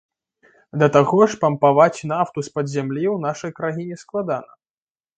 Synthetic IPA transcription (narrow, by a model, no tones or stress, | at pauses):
d̪ɐt̪aɣɔʂpɐmpavat͡sʲnaft̪uspɐd̪zʲamlʲiwnaʂɐjkɾaɦʲinʲɛsklˠad̪anɐ